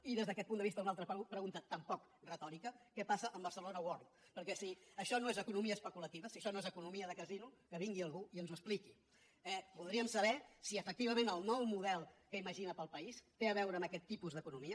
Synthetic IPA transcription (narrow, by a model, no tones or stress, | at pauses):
iðezðəkɛt̪pund̪əβist̪əunalˠt̪ɾəpɾəɣunt̪ət̪əmpɔk | rət̪ɔɾikəkɛpasəʔəmbəɾsəlonəwoɾn | pəɾkɛsiəʃɔnoezəkunumiəːspəkulət̪iβəsiəʃɔnoezəkunumiəðəkəzinukəβiŋɡiəlˠɣuiənzuəspliki | ɛbulˠd̪ɾiəmsəβɛsiəfək̚t̪iβ̞əmenəlˠnɔwmuðɛlˠkəiməʒinəpəlˠpəist̪eəβɛwɾəːməkɛt̪ːipuzðəkunumiə